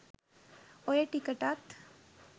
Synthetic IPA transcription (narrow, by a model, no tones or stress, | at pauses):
ojeʈikəʈat̪